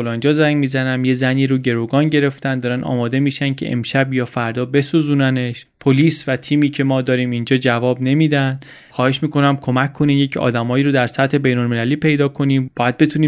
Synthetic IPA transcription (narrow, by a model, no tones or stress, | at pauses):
olɒnd͡ʒɒːzæŋɟmiːzænæmje̞zæniːɾuːɟe̞ɾoɡɒːnɟe̞ɾe̞ft̪ænd̪ɒːɾænɒ̰ːmɒːd̪e̞miːʃæn̚cʰe̞̰ʔḛmʃæbjɒːfæɾd̪ɒːbe̞suzuːnæneʃpʰoliːsvæt̪ʰiːmiːcʰe̞mɒːd̪ɒːɾiːmind͡ʒɒːd͡ʒævɒːbne̞miːd̪æn | xɒːhe̞ʃmiːko̞næmkʰo̞mækʰːo̞niːmjecʰɒ̰ːd̪æmɒːjiːɾod̪æɾsæt̪he̞be̞jnolme̞læliːpʰe̞jd̪ɒːkʰo̞niːmbɒːjæd̪̚be̞t̪ʰuːniː